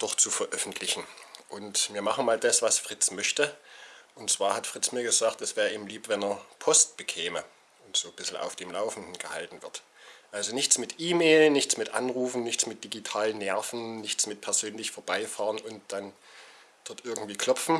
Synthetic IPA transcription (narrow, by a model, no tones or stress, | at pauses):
d̥ɔχt͡sufɐʔœfn̩tʰlɪçn̩ʔʊntviːɐmaχəmaːldasv̥asfʁ̥ɪt͡smœçtəʔʊntt͡sv̥aːɐhatfʁ̥ɪt͡smiːɐɡəzaːk̚tɛsv̥ɛːʁəʔiːbm̩liːpvɛnɛːɐpʰɔst̚b̥əkʰɛːmə | ʔʊntz̥oːb̥ɪsl̩ʔa̰ʊfd̥eːmlaʊfn̩dn̩ɡ̥əha̰ltn̩vɪɐt | ʔalzonɪçt͡smɪtʔiːmeːlənːɪçt͡smɪtʔa̰nʁuːfn̩nɪçt͡smɪt̚d̥iɡitʰaːlənːɛɐfn̩nɪçt͡smɪt̚pʰɛɐzøːnlɪçfoːɐbaɪfaːʁənʊnt̚d̥an | d̥ɔɐtʔɪɐɡŋ̩tv̥iːkʰl̥ɔpfn̩